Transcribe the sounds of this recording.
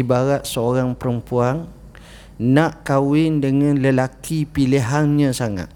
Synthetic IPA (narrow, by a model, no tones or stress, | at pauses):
ibaɾaʔ̪̚səoɾaŋpəɾəmpuan | nãʔkawɪndəŋãnləlakipiliɦanɲãsaŋa̰t̪̚